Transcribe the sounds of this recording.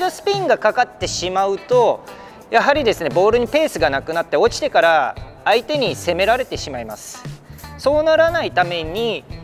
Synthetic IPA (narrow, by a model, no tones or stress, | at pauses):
d̪osɨ̥pʲĩŋɡakakat̪ːe̞ɕimaɯ̟t̪o̞ | jaɦaɾʲid̪e̞sɨne̞bo̞ːɾɯ̟ɲ̟ipe̞ːsɨɡanakɯ̟nat̪ːe̞o̞t͡ɕi̥t̪e̞kaɾaː | it̪e̞ɲ̟ise̞me̞ɾaɾe̞t̪e̞ɕimaima̰sɨ̥so̞ːnaɾanait̪ame̞ɲ̟i